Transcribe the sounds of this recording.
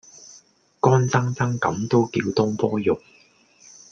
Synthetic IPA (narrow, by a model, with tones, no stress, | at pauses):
kɔː˥nt͡sɐ˥ŋt͡sɐ˥ŋkɐ̰˨˥mt̪o˥wkiː˧wt̪ʊ˥ŋpɔː˥jʊ˨˩k̚